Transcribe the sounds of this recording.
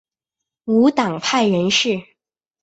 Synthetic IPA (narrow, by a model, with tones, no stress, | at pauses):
u˧˥t̪ɑ˨˩ŋpʰa˥˩ɪɥɛ˧˥nʂɻ̩˥˩